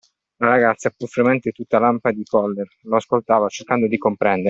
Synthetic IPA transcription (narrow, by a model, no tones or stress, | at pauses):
laɾaɡat̪sapufɾemɛnt̪et̪ut̪ːalampad̪ikɔlːerloaskolt̪aːvat͡ʃerkand̪od̪ikompɾɛnd̪eɾ